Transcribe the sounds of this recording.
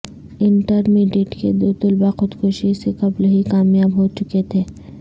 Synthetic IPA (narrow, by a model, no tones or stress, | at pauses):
ɪɳʈəɾmiːɖiʈkḛd̪oːt̪ʊlbaxʊd̪koːʃisekɐblɦikaːmjaːbɦot͡ʃʊket̪ʰeː